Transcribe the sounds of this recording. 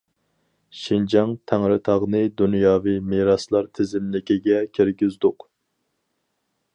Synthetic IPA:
ʃind͡ʒɑŋt̪ʰæŋɾɪt̪ʰɑʁnɨd̪unjɑːvimeɾɑslˠɑɾt̪ʰɪzɪmlɪkʲiɡʲɛkʲʰiɾɡʲyzd̪ʊq

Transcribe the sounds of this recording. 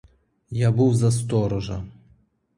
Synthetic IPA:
jabuwzɐs̬t̪ɔɾɔʒɐ̰

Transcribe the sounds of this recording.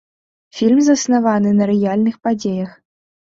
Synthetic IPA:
fʲilʲmzɐsnavanɨnɐɾɨjalʲnɨxpad͡zʲejɐx

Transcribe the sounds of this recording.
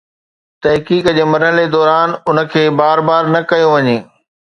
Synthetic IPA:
t̪ɐɦkiːkd͡ʑeːmɐɾɦəled̪ɔːɾaːnʊnə̆kʰeːbaːɾbaːɾnɐkɐjoʋɐɲeː

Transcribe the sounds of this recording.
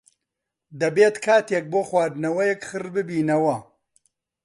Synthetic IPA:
d̪ɐbeːt̪kʰaːt̪jek̚boːxwaːd̪nɐwɐjɛkxɨrbɨbiːnɐwɐ

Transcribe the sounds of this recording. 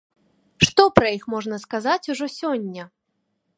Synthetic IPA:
ʂt̪ɔpɾɐjixmɔʐnɐskazat͡sʲuʐɔsʲɔnʲːɐ

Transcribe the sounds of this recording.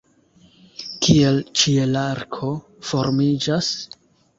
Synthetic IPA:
kie̞lt͡ʃielaɾkʰo̞ | fo̞ɾmid͡ʒas

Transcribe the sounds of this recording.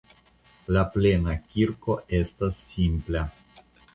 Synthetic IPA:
laplenakʲiɾko̞e̞stasːimpla

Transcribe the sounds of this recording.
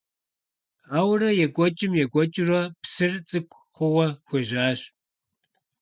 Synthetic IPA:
aːwrɐjɛɡʷʼɔt͡ʃʼɪmjɛɡʷʼɔt͡ʃʼɪrɐpsɨrt͡sʼɨkʷʰʼ | χʷʊwɐxʷeʒaːɕ

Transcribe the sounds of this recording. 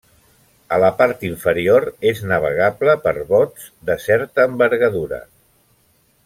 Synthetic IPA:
ələpaɾt̪iɱfəɾioɾeznəβ̞əɣ̞abləpəɾβɔz | d̪əsɛɾt̪əːmbəɾɣəðuɾə̰

